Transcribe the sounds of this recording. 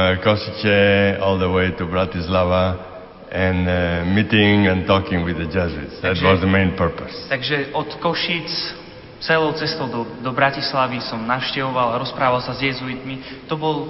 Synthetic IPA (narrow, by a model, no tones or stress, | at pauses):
kɔsit͡ʃɛɔlˠd̪əweɪt̪ubɾat̪islava | ɛ̃nmit̪ĩŋɛ̃nt̪ɔkĩŋwiðəd͡ʒɛzuḭtsdæt̪wɔzðəmẽɪ̃npəɾpəst̪aɡʒɛɔt̪kɔʃit͡s | t͡sɛlɔʊt͡sɛst̪ɔʊd̪ɔd̪ɔbɾacislaʋisɔmnaʊʃcɛʋɔʋalaɾɔspɾaːʋalsazjɛzuit̪mit̪ɔbɔl